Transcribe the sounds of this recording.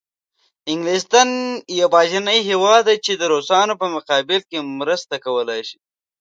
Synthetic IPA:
ɪŋɡlist̪anjawbɑːʒinəjɦewɑd̪ːat͡ʃed̪əɾosɑnopəmʊqɑːbɪlkemɾəst̪akawəlajʃi̥

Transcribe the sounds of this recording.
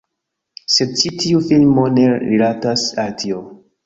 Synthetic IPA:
se̞d̚t͡ʃitʰiufilmo̞ne̞ɾilatasaltʰio

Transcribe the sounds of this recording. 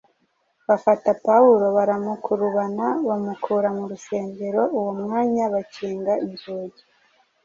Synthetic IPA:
βafatapauɾo̞βaɾamukʰuɾuβanaβamukʰuːɾamuɾuse̞ːmbe̞ɾo̞uwomŋaːɲaβaciːŋɡainzuːɟi

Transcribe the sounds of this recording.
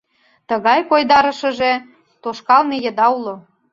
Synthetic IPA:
t̪əɣɑjkojd̪ɑɾə̆ʃə̆ʒe | t̪oʃkɑlmejə̆d̪ɑulo

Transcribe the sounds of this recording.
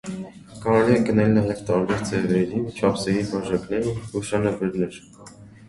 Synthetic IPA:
kɑɾɛliɛɡənɛlnɑjɛvt̪ɑɾbɛɾd͡zɛʁɛɾit͡ʃʰɑpʰsɛɾibɑʒɑknɛɾuʃɑnɑvɛɾnɛɾ

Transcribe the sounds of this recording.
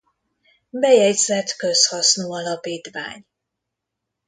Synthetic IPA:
bɛjɛɟzɛt̪kø̞shɒsnoːɒlɒpiːt̪ʋa̰ːɲ

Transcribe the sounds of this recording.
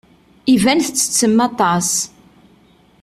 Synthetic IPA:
ivænθət͡sːə̥t͡sːəmːɑt̪ˤɑs

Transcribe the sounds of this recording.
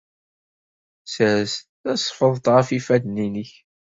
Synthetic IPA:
sɾsθæsˤfəðˤt̪ˤʁəfifæd̪ninəç

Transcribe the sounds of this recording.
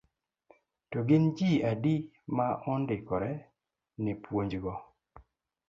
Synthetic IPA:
tɔɡɪnd͡ʒiadi | maʔɔndɪkɔɾɛ | nɪpwoɲd͡ʒɡɔ

